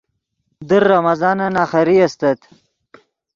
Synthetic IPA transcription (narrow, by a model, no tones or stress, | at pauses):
d̪əɾːɐmɐzɑːnɐnaːχɐɾiɐst̪ɐt̪